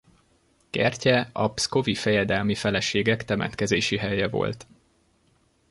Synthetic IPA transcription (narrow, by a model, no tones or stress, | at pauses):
kɛrcɛɒpsko̞vifɛjɛd̪ɛlmifɛlɛʃeːɡɛkt̪ɛmɛ̰t̪kɛzeːʃiɦɛjɛvo̞̰lt̪